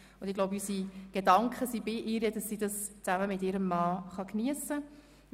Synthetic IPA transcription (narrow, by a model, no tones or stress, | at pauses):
ʊnd̥ɪɡ̥loʊbysiɡ̥edɑŋkχəsibɪʔɪːɾjəd̥ɑsːidɑst͡sæməmɪtɪːɾəmːɑːχɑkniəsə